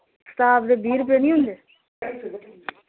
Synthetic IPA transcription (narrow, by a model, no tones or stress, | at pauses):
st̪aːbd̪ebʱiːɾp̬eːnĩɦʊ̃nd̪eː